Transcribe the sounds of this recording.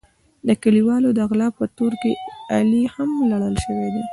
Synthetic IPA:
d̪əkəliwɑlod̪əaɣlɑpət̪oɾkealihamlaɽəlʃəwed̪e

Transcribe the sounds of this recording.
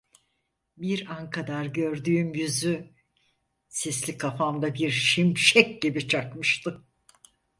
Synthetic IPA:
biɾankʰad̪aɾɟø̞ɾd̪yːmjyzy | sɛslʲikʰafamd̪abiɾʃimʃɛc̚ɟibit͡ʃʰakmɯʃt̪ʰɯ

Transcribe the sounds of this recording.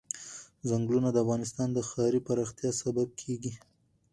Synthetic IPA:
zaŋɡlunad̪əafɣɑnɪst̪ɑnd̪əxɑɾipaɾɑxt̪jɑsabab̚kʰeɡi

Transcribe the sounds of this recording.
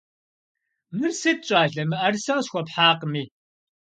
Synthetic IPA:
mɨrsɨt̚t͡ʃʼaːɮɐmɨʔɐrsɐɕxʷɔpħaːqmiː

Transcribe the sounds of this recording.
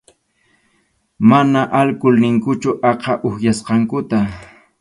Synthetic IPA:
manaʔalkʊlnɪŋkʊt͡ʃʊʔɑqɑʔʊhjasqɑŋkʊt̪a

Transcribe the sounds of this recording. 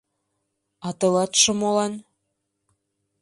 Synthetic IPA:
ɑt̪ɤ̆lɑt̪ʃŏmolɑn

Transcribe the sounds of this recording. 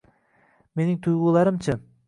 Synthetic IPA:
me̞nɪŋt̪ʰʊjʁulˠɑɾɪmt͡ʃʰɪ

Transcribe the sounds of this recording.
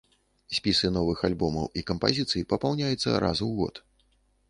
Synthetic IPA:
sʲpʲisɨnɔvɨxalʲbɔmɐ̰wʔikɐmpazʲit̪sɨjipɐpawnʲajut̪sːɐ̰ɾa̰zuwɣɔ̰t̪

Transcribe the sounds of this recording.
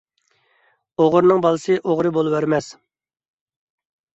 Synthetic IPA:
oʁʊɾnɨŋbɑlˠɨsɨʔoʁɾɨbolˠɨwæɾmɛs

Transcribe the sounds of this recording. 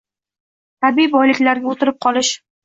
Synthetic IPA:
t̪ʰabijbɒjlɪkʲlaɾɡʲaot̪ɪɾɪp̚qʰɒlˠɪʃ

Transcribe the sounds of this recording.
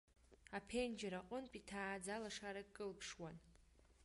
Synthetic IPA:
apʰend͡ʒaɾaqʷʼʊnpʼitʰaːd͡zalaʂaɾakʼɨlkʰʂwan

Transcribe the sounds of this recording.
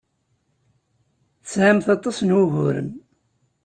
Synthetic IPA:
θəsʕamθɑt̪ˤːɑsnwʊɦʊɾə̰m

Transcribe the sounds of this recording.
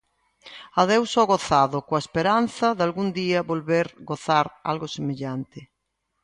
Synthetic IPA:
aðewsoɣoθaðokoaespeɾan̟θɐðalɣund̪iabolβeɾɣoθaɾa̰lɣosemeʎant̪e

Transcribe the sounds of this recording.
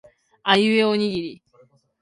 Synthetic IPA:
ajɯeoɲ̟iɡʲiɾʲi

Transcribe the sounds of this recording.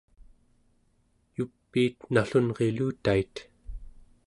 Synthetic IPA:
jupːiːt̪naɬunʁe̞luːt̪ait̪

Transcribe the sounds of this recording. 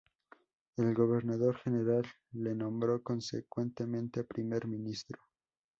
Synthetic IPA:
e̞lɣo̞βe̞ɾnaðo̞ɾxe̞ne̞ɾalː | e̞nõ̞mbɾo̞ko̞nsḛkwe̞nt̪emẽ̞nt̪epɾime̞ɾmĩnist̪ɾo̥

